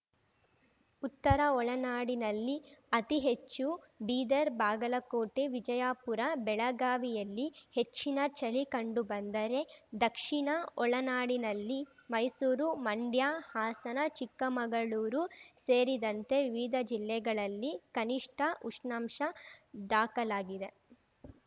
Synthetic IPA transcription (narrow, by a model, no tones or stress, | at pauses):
ut̪ːɐɾɐɔɭɐnaːɽinɐlːiɐt̪iɦet͡ʃːu | biːd̪ɐɾbaːɡɐlɐkoːʈeʋid͡ʒɐjaːpuɾɐbɛɭɐɡaːʋijɐlːihe̞t͡ʃːinɐt͡ʃɐlikɐɳɖubɐnd̪ɐɾe̞d̪ɐkʂiɳɐɔɭɐnaːɽinɐlːimɐjsuːɾumɐɳɖjaːhaːsɐnɐt͡ʃikːɐmɐɡɐɭuːɾuseːɾid̪ɐnt̪e̞ʋiʋid̪ʱɐd͡ʒilːɛɡɐɭɐlːikɐniʂʈʰɐʔuʂɳɐmʂɐd̪aːkɐlaːɡid̪e